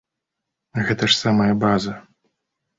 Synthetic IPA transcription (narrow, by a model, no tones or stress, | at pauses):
ɣɛt̪ɐʂsamɐjɐbazɐ